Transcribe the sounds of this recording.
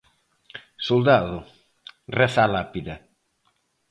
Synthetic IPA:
sold̪aðʊ | rɛθalapiða

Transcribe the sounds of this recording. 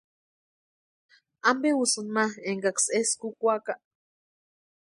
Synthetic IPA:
ambewusɨnmaeŋɡakseskukʷakaʔ

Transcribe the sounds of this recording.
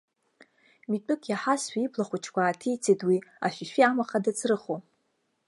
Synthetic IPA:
mitʷʼʊkʼjaħasħʷᶣaipʰlaχʷut͡ʃʰkʷʰaːtʰijt͡sʰedwia̰ʃᶣiʃᶣiamaχadat͡sʰrɨχo

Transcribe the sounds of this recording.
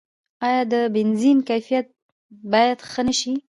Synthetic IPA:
ɑjɑd̪əbɪnzinkajfijat̪̚ | bɑjad̪xənəʃi

